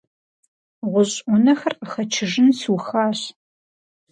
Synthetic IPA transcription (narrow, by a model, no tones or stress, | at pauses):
ʁʷʊɕʼʷʊnɐxɐrəχɐt͡ʃʰɪʒɪnsuxaːɕ